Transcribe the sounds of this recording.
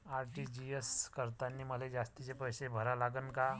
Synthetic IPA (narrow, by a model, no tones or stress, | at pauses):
aɾʈid͡ʑieskəɾt̪anːiːməled͡zast̪it͡sepəjsebʱəɾalaɡənka